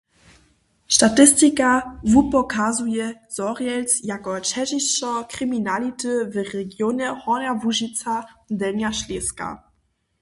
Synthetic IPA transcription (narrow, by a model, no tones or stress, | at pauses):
ʃtatɪstikavupɔkazujɛz̥ɔʁjɛlt͡sjakɔt͡ʃɛʒiɕt͡ʃɔkʁiminalitəvɛʁɛɡjoːnɛhɔnavuʒit͡sadɛnjaʃleska̰